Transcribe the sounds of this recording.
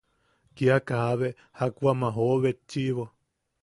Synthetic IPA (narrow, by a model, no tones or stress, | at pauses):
kiakahaβe | hakuamãɦoβet͡ʃːiβo